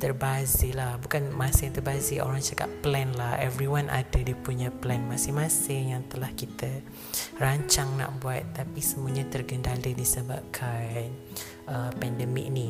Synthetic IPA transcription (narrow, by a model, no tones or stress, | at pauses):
t̪ərbazilahbukanmãsɪŋt̪ərbazio̰ɾaŋt͡ʃaka̰ʔ̚plɛnlahɛvɾiwanʔa̰dədipuɲaplɛnmasɪmasɪŋjaŋt̪əlahkit̪ə | raɲt͡ʃaŋna̰ʔbuat̪ːapisəmuaɲat̪ərɡəndalədisəbab̚kʰan | ʔəpɛndəmḭk̚ni